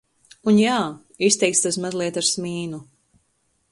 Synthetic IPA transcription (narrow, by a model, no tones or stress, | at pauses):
unjaː | ist̪ɛjk̪̚st̪asmazlˠiɛt̪aɾsmiːnu